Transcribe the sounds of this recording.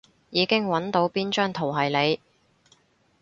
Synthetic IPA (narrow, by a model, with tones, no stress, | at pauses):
jiː˨˧kɪ˥ŋwɐ˨˧˥nt̪o˨˥wpiː˥nt͡ʃœː˥ŋt̪ʰo˨˩wɦɐ˨˩jle˨˧j